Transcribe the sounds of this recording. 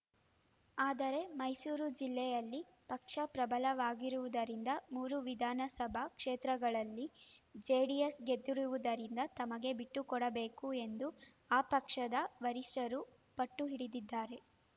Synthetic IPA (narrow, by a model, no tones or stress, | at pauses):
aːd̪ɐɾe̞mɐjsuːɾud͡ʒilːɛjɐlːi | pɐkʂɐpɾɐbɐlɐʋaːɡiɾuʋud̪ɐɾind̪ɐmuːɾuʋid̪ʱaːnɐsɐbʱɐkʂeːt̪ɾɐɡɐɭɐlːid͡ʒeːɖijesɡe̞d̪ːuɾuʋud̪ɐɾind̪ɐt̪ɐmɐɡe̞biʈːukɔɽɐbe̞ːkue̞nd̪u | aːpɐkʂɐd̪ɐʋɐɾiʂʈɐɾu | pɐʈːuɦiɽid̪id̪ːaːɾe̞